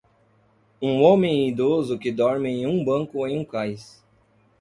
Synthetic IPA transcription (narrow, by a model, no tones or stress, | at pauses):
ũõmẽj̃id̪ozʊkɪd̪ɔɾmɪẽj̃ũbɐ̃ŋkʊẽj̃ũkajs